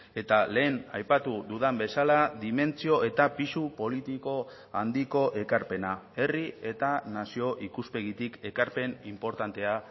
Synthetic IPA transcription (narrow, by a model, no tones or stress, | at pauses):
e̞t̪ale̞ːnajpat̪uðuðambe̞salaðime̞nt͡sio̞ʔe̞t̪apisupo̞lit̪iko̞ | and̪iko̞ʔe̞kaɾpe̞nae̞rie̞t̪anasio̞ʔikuspe̞ɣ̞it̪ike̞kaɾpe̞nimpo̞ɾt̪ant̪e̞a